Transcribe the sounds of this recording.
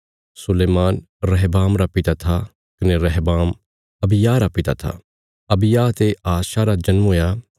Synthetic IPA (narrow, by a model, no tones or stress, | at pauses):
sʊleːmaːn | ɾɛɦbaːmɾapɪt̪at̪ʰa | kɐneɾɛɦbaːm | ɐbɪjaːɾapɪt̪at̪ʰa̰ | ɐbɪjaːt̪eaːʃaɾad͡ʒɐnmoːja